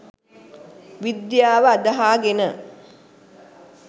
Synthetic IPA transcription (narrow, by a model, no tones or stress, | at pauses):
ʋid̪jaːʋəad̪əɦaːɡenə